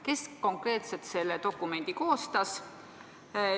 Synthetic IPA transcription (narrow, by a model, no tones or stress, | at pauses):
ke̞sko̞ŋkre̞ːt̪set̪se̞lːet̪o̞kːˑume̞nʲd̪̥iko̞ːst̪ɑs